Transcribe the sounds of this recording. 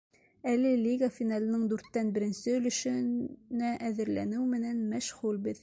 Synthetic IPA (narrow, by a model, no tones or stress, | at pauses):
ælɘlʲiɡafʲinɑlˠɤ̆nɤɴd̪ʉɾt̪ːænbɘ̆ɾɘ̆nsɘɵ̆lɵ̆ʃɘ̆næʔæðɘ̆ɾlænɘwmɘ̆nænmæʃʁulbɘð